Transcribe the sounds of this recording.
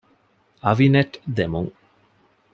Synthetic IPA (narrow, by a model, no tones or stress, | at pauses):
ɐʋineʈd̪emuŋ